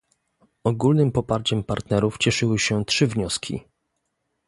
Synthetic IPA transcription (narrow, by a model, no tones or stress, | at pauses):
ɔɡulnɘmpɔpaɾt͡ɕɛmpaɾt̪nɛɾuft͡ɕɛʂɘwɘɕɛtʂɘvɲɔskʲʰḭ